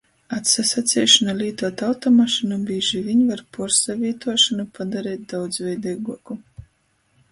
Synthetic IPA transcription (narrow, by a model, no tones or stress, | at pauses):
at̪sasat̪sʲɛːʃɔnalʲiːt̪uɔt̪alt̪ɔmaʃinubʲiːʒivʲiɲvaɾpɔɾsavʲiːt̪uɔʃanupad̪aɾɛːt̪̚d̪awd̪zvʲɛjd̪ɛjɡuɔku